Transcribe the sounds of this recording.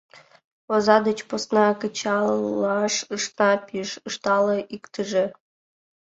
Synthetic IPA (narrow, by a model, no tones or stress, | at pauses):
ozɑd̪ət͡ɕposnɑkət͡ɕɑlɑʃɯʂt̪nɑpʲiʃɯʃt̪ɑlˠɤ̆ʔikt̪əʒe